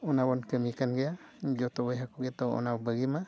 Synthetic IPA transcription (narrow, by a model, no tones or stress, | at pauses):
ɔnabɔnkəmikanɡɛad͡ʒot̪ɔbɔjɦakuɡet̪oɔ̰nabəɡima